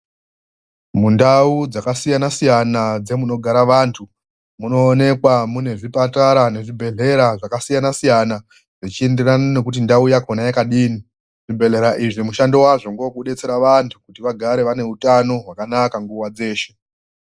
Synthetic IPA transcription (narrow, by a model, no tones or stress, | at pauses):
mundaud͡zakasijanasijanad͡ze̞muno̞ɡʱaɾaʋaːntʰu | muno̞ːne̞kwamune̞ʐipataɾane̞ʐibʱe̞ɮe̞ɾaʐakasijanasijana | ʐit͡ʃie̞nderanone̞kut̬indaujakonajekaɗiːni | ʐ̥ibʱe̞ɮe̞ɾaʔiʐimuʃando̞waʐo̞ŋɡokuɗe̞t͡se̞ɾaʋantʰu̥kutiʋaɡʱaɾe̞ʋane̞utano̞ɦwakanakaŋɡuwad͡ze̞ːʃe̞